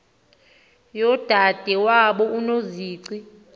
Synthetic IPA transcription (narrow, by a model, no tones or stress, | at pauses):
jɔd̥ʱad̥ʱɛwaɓɔunoziːǀi